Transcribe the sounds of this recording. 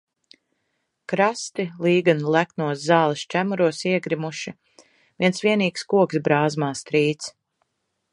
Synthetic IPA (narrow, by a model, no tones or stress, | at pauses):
kɾast̪ilˠiːɡanlˠæknuɔsːaːlˠist͡ʃæmuɾuɔsiɛɡɾimuʃi | viɛnsviɛniːkskuɔksbɾaːzmaːst̪ɾiːt̪s